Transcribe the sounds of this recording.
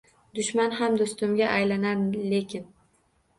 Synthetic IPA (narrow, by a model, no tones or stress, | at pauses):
d̪ʊʃmanɦamd̪ost̪ʊmɡʲaʔajlanaɾle̞kʲʰɪn